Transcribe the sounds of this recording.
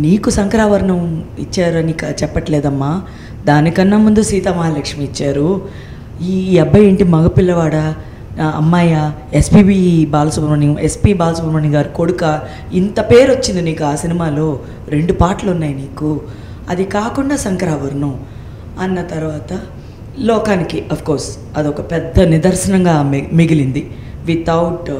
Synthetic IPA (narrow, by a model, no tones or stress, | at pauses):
niːkusɐŋkɐɾaːʋɐɾɳɐmḭt͡ʃːaːɾuɐnikɐt͡ʃɛpːɐʈleːd̪ɐmːaː | d̪aːnikɐnːɐmund̪usiːt̪ɐmaːlɐkʂmiːt͡ʃːaːɾu | iːɛbʱːɐjeɳʈimɐɡɐpilːɐʋaːɽɐ | ɐ̰mːaːjɐespiːbiːbaːlɐsubʱɐɾmɐːɳijɐmʔespiːbaːlɐsubʱɐɾmɐːɳniɡaːɾukoɽukɐ | int̪ɐpe̞ːɾot͡ʃːind̪iniːkuaːsinimaːloː | ɾe̞ɳɖupaːɾʈlɐunːaːjiniːku | ɐ̰d̪ikaːkuɳɖaːsɐŋkɐɾaːʋɐɾnu | ɐnːɐt̪ɐɾuʋaːt̪ɐ | lɔːkaːnikiʔɐpʰkɔːɾs | ɐd̪iɔkɐpɛd̪ːɐnid̪ɐɾʃɐnɐŋɡaːmiɡilind̪i | ʋit̪ʰɐwʈ